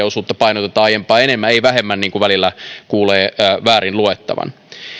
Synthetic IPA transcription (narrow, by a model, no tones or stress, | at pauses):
osuːt̪ːɑpɑinot̪et̪ːɑːɑjempˑɑːenemːæeiʋæɦemːænniːŋkuʋælilːækuːleːʋæːɾinluet̪ːɑ̰ʋɑ̰n